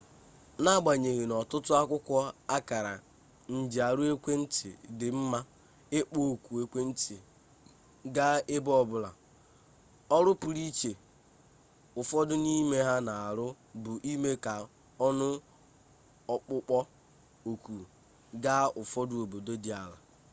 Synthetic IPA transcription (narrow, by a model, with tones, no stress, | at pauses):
na˦˨ɡ͡ba˨ɲe˨ɣe˨nɔ˨tʊ˦tʊ˦a˦kʷʊ˦kʷɔ˦a˦ka˨ɾa̰˨ | n̩˨d͡ʒi˨a˨ɾʊ˦e˦kʷe˦n̩˦tɪ̰˨dɪ˨m̩˦ma˦ | ɪ˦k͡po˦˨kʷu˨e˦kʷe˦n̩˦tɪ˨ | ɡa˦ɪ˦bɔ˦bʊ˦la̰˨ | ɔ˦ɾʊ˦pʊ˨ɾi˦t͡ʃe˨ | ʊ˨fɔ˦dʊ˦ni˦me˦ɦa˦na˨a˨ɾʊ˦ | bʊ˨ʔi˦me˦ka˨ | ɔ˦nʊ˦ | ɔ˨k͡pʊ˦k͡pɔ˦ | o˨kʷu˨ | ɡa˦ʊ˨fɔ˦dʊ˦o˨bo˨do˦di˨a˨la̰˨